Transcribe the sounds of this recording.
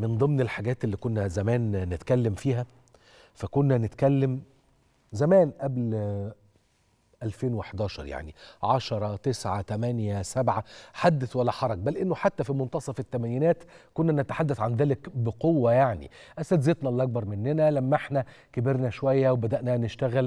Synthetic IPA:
mend̪ˤɨmnelħaɡæːt̪elːiːkonːæzæmæːnːet̪kælːæmfiːɦæ | fækonːænet̪kælːæm | zæmæːnʔæbl | ʔælfeːnweħd̪æːʃɑ̰ɾˤja̰ʕnḭʕɑʃɑɾˤɑt̪esʕat̪æmænjæsæbʕaħad̪ːæθwælːæħɑɾˤɑɡ̚bælʔenːoħat̪ːæfimont̪ɑsˤɑfet̪ːæmæniːnæːt̪konːænet̪ḁħad̪ːæθʕanðæːlekbeqowːæjaʕnḭ | ʔæst̪æd̪zet̪nælʔɑk̚bɑɾˤmenːenælæmːæʔeħnæ | kebeɾnæʃowæjːæwebæd̪æʔnæneʃt̪æɣæl

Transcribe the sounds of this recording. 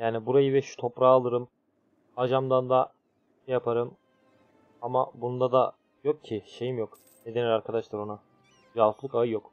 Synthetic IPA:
jaːnibuɾajɯvɛʃu̥t̪ʰo̞pɾaːlˠɯɾɯm | ad͡ʒamd̪and̪a | ʃɛjapʰaɾɯm | amabund̪ad̪a | jok̚cʰːɪʃe̞jimjok | ned̪enilʲaɾkʰad̪aʃlˠaɾo̞na | d͡ʒalˠklˠɯkaɯjo̞k

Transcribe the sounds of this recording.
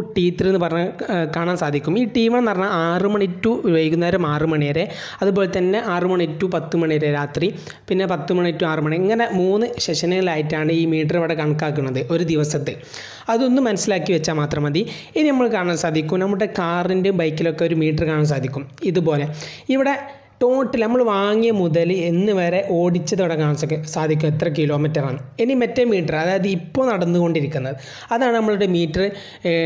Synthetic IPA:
ʈiːt̪ːiɾenːɨpɐrɐɲːakaːɳaːmsaːd̪ʱikʲːumiːʈiːʋɐɳnɐrɐnːaaːrɨmɐɳitːuʋɐjikʲːunːɐɾumaːrɨmɐɳijeɾe | ɐðupo̞ːlet̪ɐnːe̞ʔaːrumɐɳitːupɐt̪ːumɐɳijɐɾeɾaːt̪ri | pinːe̞pɐt̪ːumɐɳiitːuaːrɨmɐɳiɐŋːɐne̞muːnːɨɕeʂɐnɨŋːɐɭaːjitːaːɳɨiːmiːʈ̬ːɐriʋiɽekɐɳukːaːkːuɳːɐðɨo̞ɾud̪iʋɐsɐt̪ːɨ | ɐðo̞nːumːɐnɐsːilaːkːiʋet͡ɕːaːmaːt̪rɐmɐd̪i | eninɐmːɐɭkaːɐɳaːmsaːd̪ʱikʲːumnɐmːɐɭuɽe̞kaːrindeumbɐjkːilo̞kːe̞o̞ɾumiːʈ̬ːɐrkaːɳaːms̬aːd̪ʱikʲːumiðupo̞ːle̞iʋiɽe̞ | ʈo̞ːʈːilnɐmːɐɭʋaːŋːijɐmuðɐle̞nːɨʋɐɾe̞ʔo̞ːɽit͡ɕːɐðiʋiɽekaːɳɐsokːesaːd̪ʱik̬ʲːumet̪ːrɐk̬ilo̞ːmitːɐraːnːɨenːimɐtːejmːiːʈːɐrɐðaːjɐðiipːoːɭnɐɽɐnːuɣo̞ɳɖiɾikʲːunːɐðɨ | ɐðaːɳɨnɐmːɐɭuɽe̞miːʈːɐr

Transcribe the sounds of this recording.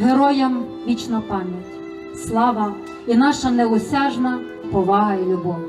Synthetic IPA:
ɦeɾɔjɐm | ʋʲit͡ʃnɐpɑmʲjɐtʲ | slˠɑʋɐ | inɑʃɐnɛʊsʲɑʒnɐ | pɔʋɑɦɐilʲʊbɔw

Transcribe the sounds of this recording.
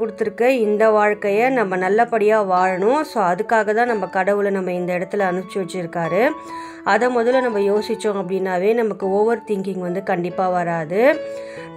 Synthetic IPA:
kʊɽɯt̪ːɯɾɯkːɯɪnd̪ɐʋaːɻkɐjɐnɐmːɐnɐlːɐpɐɽɪjaːʋaːɻɐɳʊ̃soːɐðɯkːaːɣɐt̪ãːnɐmːɐkɐɽɐʋɯlnɐmːɐɪnd̪ɐɪɽɐt̪ːɪlɐːnɯt͡ʃːɯʋɐt͡ʃːɯɪɾɯkːaːɾɯ | ʔɐðɐmɔðɐlnɐmːɐjoːsɪt͡ʃːõɐpːɐɽɪnːaːʋeːnɐmɐkːɯɔʋːɐɾɯt̪ɪŋɡɪŋʋɐnd̪ɯkɐɳɖɪpːaːʋɐɾaːðɯ

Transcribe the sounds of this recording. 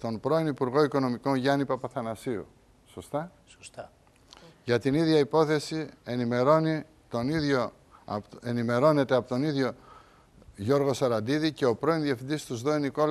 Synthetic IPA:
t̪o̞npɾo̞inipuɾɣo̞iko̞no̞miko̞nʝɐnipɐpɐθɐnɐsiṵ | so̞st̪ɐ | ʝɐt̪iniðʝɐipo̞θe̞sie̞nime̞ɾo̞ni | t̪o̞niðʝo̞ | enime̞ɾo̞ne̞t̪e̞ɐpot̪o̞niðʝo̞ | ʝo̞ɾɣo̞sɐɾɐnd̪iðice̞o̞pɾo̞inðjɐfind̪ist̪uzðo̞iniko̞l

